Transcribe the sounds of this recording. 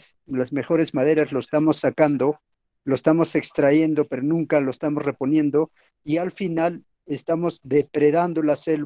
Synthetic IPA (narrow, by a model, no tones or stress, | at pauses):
s | lazme̞xo̞ɾe̞zmaðe̞ɾazlo̞est̪amo̞sːakand̪o̞ | loest̪amo̞se̞kst̪ɾaje̞nd̪o̞pe̞ɾonũŋkaloest̪amo̞sre̞po̞njẽ̞nd̪o̞ | ialfinal | est̪amo̞zðe̞pɾe̞ðand̪o̞lase̞l